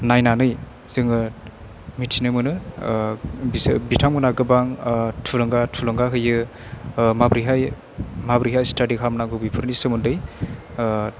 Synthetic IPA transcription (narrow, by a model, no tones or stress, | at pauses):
najnanɯj | z̥ɯŋɯ | mitʰinɯmɯnɯ | bibitʰaŋmunaɡɯbaŋtʰulɯŋɡatʰulɯŋɡaɦɯjɯ | mabɾiɦaj | mabɾiɦajstʰadikʰamnaɡubipʰɯɾnisɯmundɯj